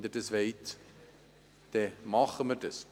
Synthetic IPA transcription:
dətəsvɛit | d̥ɛmɑːχəmətəs

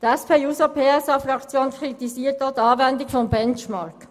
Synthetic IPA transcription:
d̪ɛspʰeːuːsopʰeːɛsɑfɾɑkt͡sjoːnkʰɾit̪isiːət̚dot̪ɑːvɛnd̪ɪkfɔnbɛnt͡ʃmɑɾk

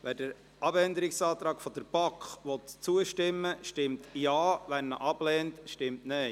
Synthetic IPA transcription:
ʋɛːɾdəɾ | ʔɑbɛnd̪əɾɪksɑːt̪ɾɑːɡfɔd̥̪əɾb̥ɑkχʋɔt̪t͡suəʃtɪmːəʃtɪmtjɑːʋænːəʔɑb̥lɛːntʃtɪmtnɛɪ

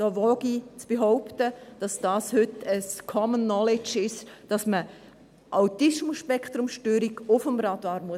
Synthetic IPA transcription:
d̥ɔːʋɔɡ̥it͡sb̥eɦɔʊptəd̥ɑsd̥aːshʏtəskʰɔmənːɔlɪt͡ʃɪʃd̥ɑsmə | ʔawtɪʃmʊʃpɛkʰt̪ɾʊmʃtøːɾiɡʊfəmɾɑd̥aːɾmuə

